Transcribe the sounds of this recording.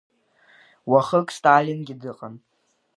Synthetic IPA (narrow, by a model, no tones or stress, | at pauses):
waχəkʼstʼalʲinɡʲidɨqʼan